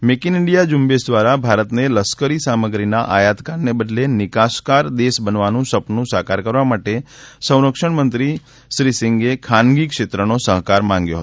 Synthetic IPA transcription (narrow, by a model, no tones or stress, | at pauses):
mekinɪɳɖijad͡ʒʊmbesd̪ʋaɾabʱaɾət̪neləskəɾisaməɡɾinaʔajat̪kannebəd̪lenɪkaskaɾd̪esbənʋanũsəpnnũsakaɾkəɾʋamaʈesə̃w̃ɾəkʃəɳmənt̪ɾi | ʃɾisɪŋɡekʰanɡikʃet̪ɾənosəɦkaɾmãŋɡjo̰ɦət̪